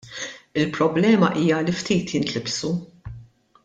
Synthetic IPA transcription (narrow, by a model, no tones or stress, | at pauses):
ɪlpɾɔblɛːmɐʔiːjɐlift̪iːt̪ʰjɪnt̪lɪbsu